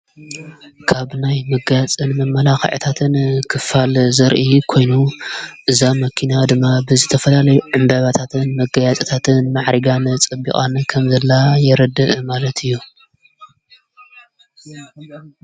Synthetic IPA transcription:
kʰaβnajmɐɡjat͡sʼɨnmɐmːɐlaxɐ̰ʕ̰t̪ʰat̪ʰɨnkʰɨfalzɐɾʔikʰo̞jnuʔɨzamɐkʰinad̪ɨmːabɨzɨt̪ʰɐfɐlalɐjuʕɨmbaβat̪ʰat̪ʰɨnmɐɡajat͡sʼɐt̪ʰat̪ʰɨnmaʕɾiɡant͡sʼɨbːḭkʼankʰɐmzɐlːajɛɾɐd̪ɨʔmalɐt̪ʰɨjːu

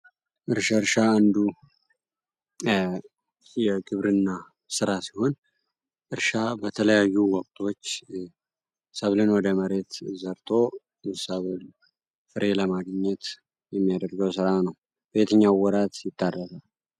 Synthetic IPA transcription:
ʔɨɾʃəɾʃaːnd̪u | jɛɡɨβɾɨnːa | sɨɾasi̥ho̞n | ʔɨɾʃabət̪ʰələjajːuwɔkʼt̪ʰʼot͡ʃː | səβlɨnwɔd̪əməɾe̞t̪zəɾt̪ʼo̞ | səβl | fɨɾʔe̞ləmaɡɲːɛt̪ | jɛmːijad̪əɾɡəwsɨɾanəw | b̥e̞t̪ʰəɲːawɔɾat̪jɪt̪ʼːarːəsal

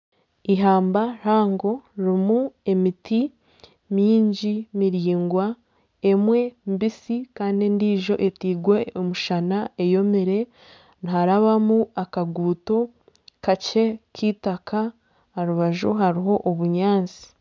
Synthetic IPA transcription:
iɦaːmbaɾaːŋɡo̞ɾimue̞miti | miːɲɟimiɾiːŋɡwa | e̞mwe̞mbisikaːndindiːʒo̞ʔetiːɡwe̞omuʃanae̞jo̞meɾe̞ | niɦaɾaβamuakaɡuːto̞ | kace̞kʰiːtakʰaː | ɾuβaʒoɦaɾiɦo̞ʔoβuɲaːnt͡si̥

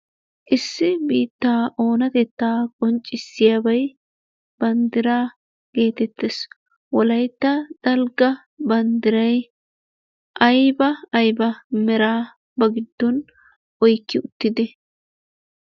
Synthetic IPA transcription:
ʔɪsːɪbiːt̪ːaːʔo̞ːnɐt̪ɛt̪ːaːkʼɔnt͡ʃʼːɪsːɪjabɐj | b̥ɐnd̪ɪɾaː | ɡ̥e̞ːt̪ɛt̪ːes | wɔlɐjt̪ːɐd̪̥ɐlɡɐ | bɐnd̪ɪɾɐj | ʔɐjbɐːjbɐmɛɾaː | bɐɡɪd̪̥ːɔn | ʔɔjkːɪʊt̪ːɪd̪ɛ

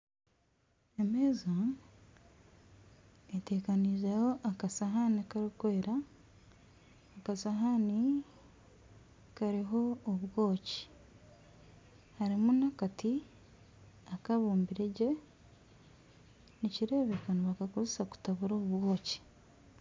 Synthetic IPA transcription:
emeːza | eteːkaniːzajo̞ʔakasaɦanikaɾikoeɾa | kasaɦani | kaɾiɦo̞ːβwo̞ːci̥ | haɾimunakati | akaβuːmbiɾeɟe̞ | niciɾe̞ːβe̞kanoβakakozesaku̥taβuɾoːβuβwo̞ːci̥

